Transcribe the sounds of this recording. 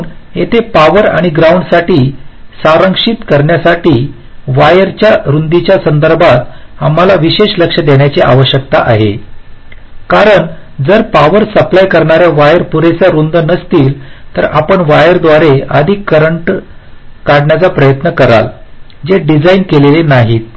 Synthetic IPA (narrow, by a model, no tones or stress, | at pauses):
net̪ʰepaʋəɾa̰ɽ̃iɡɾauɳɖsaʈiːsaɾəŋkʂit̪kəɾɳjasaʈiː | ʋajəɾt͡ɕjaɾund̪it͡ɕjasənd̪əɾbʱat̪am̤alaʋiɕeʂləkʂəd̪eɳjat͡seʔaʋəɕjək̚t̪aʔaɦḛ | kaɾəɳ | d͡zəɾpaʋəɾsəplajkəɾɳaɾjaʋajəɾpuɾesaɾund̪ənəst̪iːlt̪əɾapəɳʋajəɾd̪ʋaɾeəd̪ʱikːəɾəɳʈ | kaɽɳjat͡sapɾəjət̪nəkəɾa̰ld͡zeɖid͡zainkelelenaɦiːt̪̚